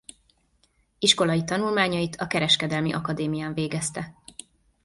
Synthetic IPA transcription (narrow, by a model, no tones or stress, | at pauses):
iʃko̞lɒjit̪ɒnulmaːɲɒit̪ʰɒkɛɾɛʃkɛd̪ɛlmiʔɒkɒd̪eːmijaːɱveːɡɛst̪ɛ